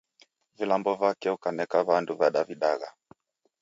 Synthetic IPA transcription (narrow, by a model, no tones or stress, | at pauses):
vilambɔvakɛukanɛkaβanduvaɗaviɗaɣa